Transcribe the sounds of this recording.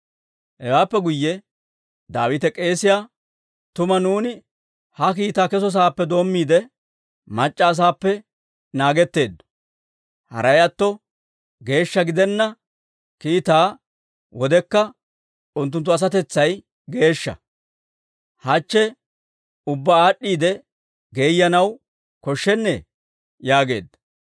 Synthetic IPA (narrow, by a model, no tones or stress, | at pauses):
hɛwaːpːɛɡʊjːɛ | d̪aːwɪt̪ɛkʼe̞ːsɪjaː | t̪ʊmɐnuːnɪ | hɐk̬iːt̪aːkɛs̬ɔs̬aːpːɛd̪o̞ːmːiːd̪ɛ | mɐt͡ʃʼːɐːs̬aːpːɛ | naːɡɛt̪ːe̞ːd̪ːɔ̥ | hɐ̰ɾɐjɐt̪ːɔ | ɡe̞ːʃːɐɡɪd̪ɛnːɐ | kiːt̪aː | wɔd̪ɛkːɐ | ʊnt̪ːʊnt̪ːʊɐs̬ɐt̪ɛt͡sːɐj | ɡe̞ːʃːɐ̰ | hɐt͡ʃːɛ | ʊbːɐaːɗːiːd̪ɛ | ɡe̞ːjːɐnɐw | kɔʃːɛnːɛ | jaːɡe̞̰ːd̪ːɐ̥